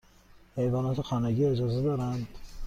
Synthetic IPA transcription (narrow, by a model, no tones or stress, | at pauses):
hejvɒːnɒːt̪exʰænæɡiːed͡ʒɒːzed̪ɒːɾænd̪